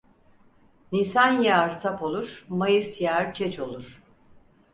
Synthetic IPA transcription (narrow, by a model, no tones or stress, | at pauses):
nisanjaɾsapo̞lˠuɾ̥majɯsjaɾt͡ʃʰɛt͡ʃʰo̞lˠuɾ̥